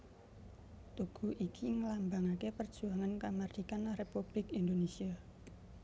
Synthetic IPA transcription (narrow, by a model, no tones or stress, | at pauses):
t̪uɡ̥ṳʔikʰiŋəlambaŋakepər̥ʒ̥uaŋankamard̪̥ikanahrepub̥lɪkind̪onesia